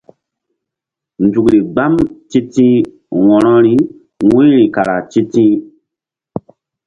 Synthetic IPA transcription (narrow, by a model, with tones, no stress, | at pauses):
nd͡zu˨kɾi˨ɡ͡ba˦mti˦tĩ˦ | wɔ̃˨ɾɔ˦ɾi˦ | ŋũ˦ɾi˨ka˨ɾa˨ti˦tĩ˦